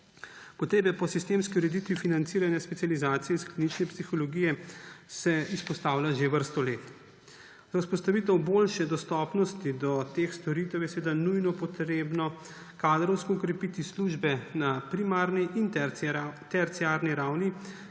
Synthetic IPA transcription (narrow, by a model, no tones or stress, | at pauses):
pɔt̪ɾeːbɛpɔsist̪eːmskiuɾɛd̪it̪ʋifinant̪siːɾanjaspɛtsializaːt̪sijɛisklinit͡ʃnɛpsixɔlɔɡiːjɛsɛispɔst̪aːwlʲaʒeʋəɾst̪ɔleːt̪ | zauspɔst̪aʋiːt̪ɛwboːlʃɛd̪ɔst̪ɔpnɔst̪id̪ɔt̪exst̪ɔɾit̪ɛwjɛsɛʋeːd̪anujnɔpɔt̪ɾeːbnɔ | kaːd̪ɾɔwskɔːkɾɛpit̪isluʒbɛnapɾimaːɾniʔin | t̪ɛɾt̪siaːɾniɾawni